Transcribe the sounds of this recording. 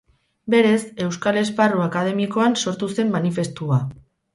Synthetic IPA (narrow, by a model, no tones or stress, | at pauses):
be̞ɾese̞wskale̞zparuakað̞e̞miko̞anso̞ɾt̪use̞mːanife̞st̪ua